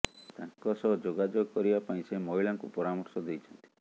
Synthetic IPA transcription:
t̪ãŋkɔsɔd͡ʒoɡad͡ʒoɡɔkɔɾibapaĩsemɔɦiɭaŋkupɔɾamɔɾsɔd̪ejt͡ʃʰɔnt̪i̥

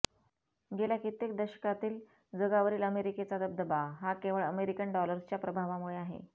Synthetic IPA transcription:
ɡeljakit̪ek̚d̪əɕə̥kat̪iːl | d͡zəɡaʋəɾiːləmeɾiket͡sad̪əb̚d̪əbaɦakeʋəɭəmeɾikəɳɖɔləɾst͡ɕjapɾəbʱaʋamuɭeaɦḛ

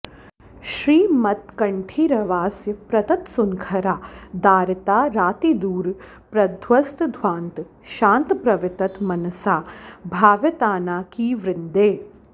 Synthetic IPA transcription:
ʃɾiːmɐt̪kɐɳʈʰiɾɐʋaːsjəpɾɐt̪ɐt̪sʊŋkʰɐɾaːd̪aːɾɪt̪aːɾaːt̪id̪uːɾ | pɾɐd̪ʱwɐst̪d̪ʱʋãːnt̪ | ʃãːnt̪pɾɐʋɪt̪ɐt̪mɐnɐsaːbʱaːʋjət̪aːnaːkiʋɾɪnd̪eː

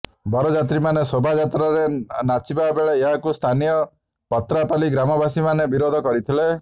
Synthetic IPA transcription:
bɔɾɔd͡ʒat̪̬ɾimanesobʱad͡ʒat̪ɾaɾenat͡ʃibabeɭeːɦakust̪ʰanijɔ | pɔt̪ɾapaliɡɾamɔbasimanebiɾod̪ʱɔkɔɾit̪ʰile

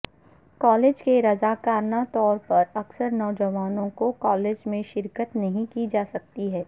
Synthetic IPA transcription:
kɔːleːd͡ʒkeɾɐzaːkaːɾnat̪ɔːɾpɐɾɐksəɾnɔːd͡ʒɐʋaːnõkokɔːleːd͡ʒmẽʃɪɾkət̪nɐɦĩkid͡ʒaːsɐk̚t̪iɦɛː

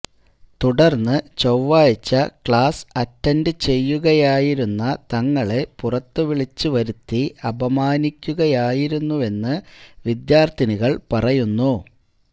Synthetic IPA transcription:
t̪uɽɐrnːɨt͡ɕowʋaːjt͡ɕːɐkɭaːsɐtːɐndɨt͡ɕe̞jːuɣɐjaːjiɾunːɐt̪ɐŋːɐɭe̞purɐt̪ːɨʋiɭit͡ɕːɨʋɐɾut̪ːiɐbɐmaːnikʲːuɣɐjaːjiɾunːue̞nːɨʋid̪jaːrt̪iniɣɐɭpɐrɐjunːu

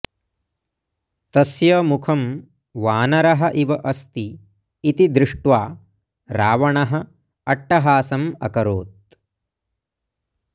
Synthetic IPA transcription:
t̪ɐsjɐmukʰɐm | ʋaːnɐɾɐɦɐʔiʋɐʔɐst̪iː | t̪id̪ɾɪʂʈʋaː | ɾaːʋɐɳɐɦɐ | ɐʈːɐɦaːsɐmɐ̰kɐɾoːt̪̚

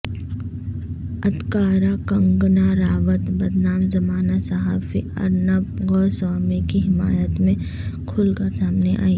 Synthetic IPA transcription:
ɐd̪kaːɾakɐ̃ŋɡnaɾaːʋət̪bɐd̪naːmzɐmaːnasɐɦaːfḭɐ̰ɾnəbɡɔːsɔːmekiɦɪmaːjət̪mẽ | kʰʊlkəɾsaːmneʔa̰ːiː

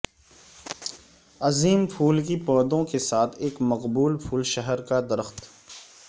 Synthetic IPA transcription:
ɐziːmpʰuːlkipɔːɾd̪õkesaːt̪ʰeːkmɐqbuːlpʰuːlʃəɦəɾkad̪ɐɾəxt̪

